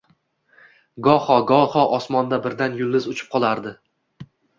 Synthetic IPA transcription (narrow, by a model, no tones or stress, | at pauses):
ɡɒhɒɡɒhɒʔɒsmɒnd̪abɪɾd̪anjʊlˠd̪ɪzʊt͡ʃʰɪ̥p̚qʰɒlˠaɾd̪ɪ